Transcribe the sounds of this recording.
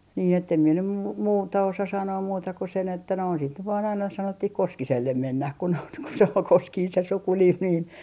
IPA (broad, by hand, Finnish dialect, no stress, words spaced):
niː etːem mie nym mu muːtɑ osɑ sɑnoːm muːtɑ ku sen etːæ noin sit nyt ʋɑːn ɑinɑ sɑnotːih koskiselːem menːæh ku noit ku se ol koskiːn se sukunim niːn